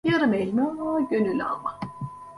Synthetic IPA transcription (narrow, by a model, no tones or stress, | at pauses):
jaɾɯmelʲmaɟønylʲa̰lˠma